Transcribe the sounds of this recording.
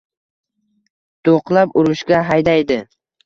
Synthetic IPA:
t̪oqlˠapʊɾʊʃɡʲaɦajd̪ajd̪ɪ

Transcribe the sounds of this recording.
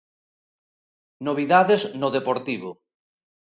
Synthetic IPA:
noβ̞iðaðeznoðepoɾt̪iβo

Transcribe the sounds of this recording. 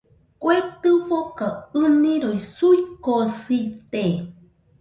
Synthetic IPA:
kwet̪ɨɸokaɨnĩɾoisuikosit̪e

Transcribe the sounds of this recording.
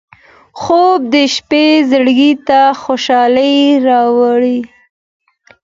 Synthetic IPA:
xob̚d̪əʃpezəɽɡit̪axoʃɑləjɾɑwaɽi

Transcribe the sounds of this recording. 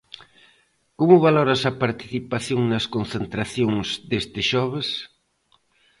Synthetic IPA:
komʊβalɔɾɐsɐpaɾt̪i̥θipaθjoŋnɐskon̟θent̪ɾaθjoŋzd̪est̪ɪʃɔβ̞ɪs

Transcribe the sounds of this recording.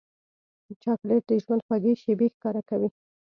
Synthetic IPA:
d̪ət͡ʃɑkleʈ̚d̪əʒwand̪xwaɡeʃebexkɑɾakawi

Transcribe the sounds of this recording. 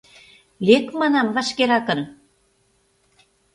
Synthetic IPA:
lekmɑnɑmvɑʃkeɾɑkə̆n

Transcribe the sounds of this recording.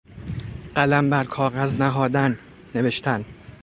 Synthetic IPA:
ɢ̥ælæmbæɾkʰɒːɣæznæɦɒːd̪ænː | e̞ve̞ʃt̪ʰæn

